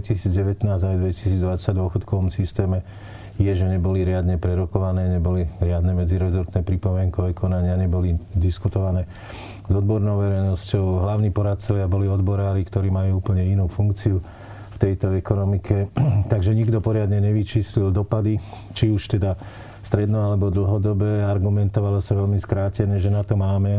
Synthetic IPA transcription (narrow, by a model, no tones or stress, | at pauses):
cisiːd͡zɟɛʋɛt̪naːzajd̪ʋɛci̥siːd͡zd̪ʋasaɟd̪ʊɔxɔt̪kɔʋɔmsist̪ɛːmɛ | jɛʒɛɲɛbɔliɾɪad̪ɲɛpɾɛɾɔkɔʋanɛːɲɛbɔliɾɪad̪nɛmɛd͡ziɾɛzɔɾt̪nɛːpɾipɔmɪɛŋkɔɛkɔnaɲɪaɲɛbɔlid̪iskut̪ɔʋanɛː | zɔd̪bɔɾnɔʊʋɛɾɛjnɔscɔʊɦlaʊniːpɔɾat̪̚t͡sɔʋɪabɔliɔd̪bɔɾaːɾikt̪ɔɾiːmajuːuːpəl̩ɲɛinuːfuŋk̚t͡siu | ft̪ɛjt̪ɔɛkɔnɔmikʰɛt̪aɡʒɛɲiɡd̪ɔpɔɾɪad̪ɲɛɲɛʋit͡ʃiːslild̪ɔpad̪i | t͡ʃiuʃt̪ɛd̪a | st̪ɾɛd̪nɔalɛbɔd̪l̩ˠɦɔd̪ɔbɛaɾɡumɛnt̪ɔʋalɔsaʋɛʎmiskɾaːcɛnɛʒɛnat̪ɔmaːmɛ